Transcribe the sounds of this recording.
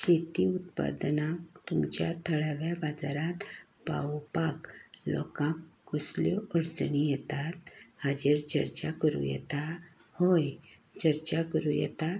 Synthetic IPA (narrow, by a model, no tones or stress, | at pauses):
ɕet̪iut̪pa̰d̪nakt̪umt͡ɕjat̪ʰəɭaʋjabad͡zaɾat̪ | pa̰wpak | lɔ̰kãk | ɡusljɔəɾd͡zɳijɛt̪at̪had͡ʑeɾt͡ɕəɾt͡ɕakəɾṵjɛ̰t̪a | hoj | t͡ɕəɾt͡ɕakəɾujɛ̰t̪a